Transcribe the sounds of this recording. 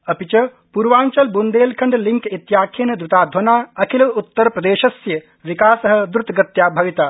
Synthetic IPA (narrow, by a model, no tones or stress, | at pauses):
ɐpit͡ʃɐ | puɾʋaːɲt͡ʃɐlbund̪eːlkʰɐɳɖliŋkit̪jaːkʰeːnɐd̪ɾut̪aːd̪ʱʋɐnaːɐkʰilɐut̪ːɐɾpɾɐd̪eːʃɐsjɐ | ʋikaːsɐɦɐ̆d̪ɾut̪ɡɐt̪jaːbʱɐʋit̪aː